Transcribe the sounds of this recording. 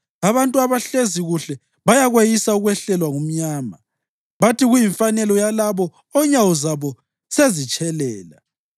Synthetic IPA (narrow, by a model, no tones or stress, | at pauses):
aβantʼuaβaɬeziɣuɬɛ | βajaɣwejisauɣwɛɬɛlwaŋum̩ɲaːma | βatiɣujiɱfanɛlɔjalaβɔ | ɔɲawɔzaβɔ | sezit͡ʃʼɛlɛːla̰